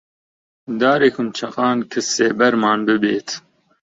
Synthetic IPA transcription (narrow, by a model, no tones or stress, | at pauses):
d̪ɑːɾekʊmt͡ʃʰɐqɑːnkʰɨseːbɐɾmɑːnbɨbeːt̪ʰ